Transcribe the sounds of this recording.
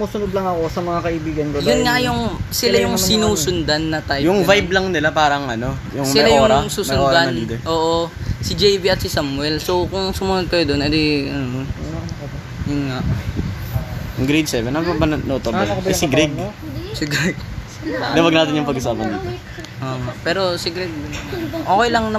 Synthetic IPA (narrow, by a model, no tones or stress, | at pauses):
muːsʊnod̪̚lɐŋɐkosɐmɐŋakɐʔibiːɡɐnkojʊnŋajʊŋsɪlajʊŋsɪnuːsʊnd̪ɐnːɐt̪ajjʊŋvajblɐŋnɪlapaːɾɐŋʔɐno̞ | jʊŋmɪlajoʊɾŋɐsuːsʊnd̪annʔoːʔosɪd͡ʒɛjbiɐt̪̚sɪsamwɛlsowkʊŋsʊmʊnod̪̚kɐjod̪o̞nʔɐd̪eʔɐno | jʊnŋaʔ | jŋɡɾejd̪sɛvɛnɐobɐnnot̪obɛsɪɡɾɛɡ | sɪɡɾɛɡ̚ | d̪ɐwɐɡ̚naːt̪ɪnjʊŋpɐɡʔʊsaːpɐnd̪ḭːo | ʔopɛːɾo̞sɪɡɾɛɡ̚ʔoːkojlɐŋnɐ